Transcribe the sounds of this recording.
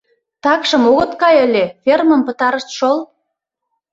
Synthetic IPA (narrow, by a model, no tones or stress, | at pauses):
t̪ɑkʃə̆moɣə̆t̪kɑjəlʲefermə̆mpə̆t̪ɑɾə̆ʃt̪ʃol